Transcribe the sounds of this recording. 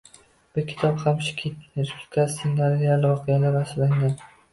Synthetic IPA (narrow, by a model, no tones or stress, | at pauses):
b̥ɪɾkʲʰɪ̥t̪ʰɒbhamʃɪ̥kʲʰit̪ɾplɪ̥kʰasinaɾijalɪvɒqʰejalaɾasɪlaŋɡʲan